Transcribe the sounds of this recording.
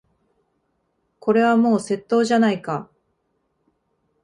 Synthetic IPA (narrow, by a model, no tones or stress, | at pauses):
ko̞ɾe̞β̞amo̞ːse̞t̪ːo̞ːʑanaika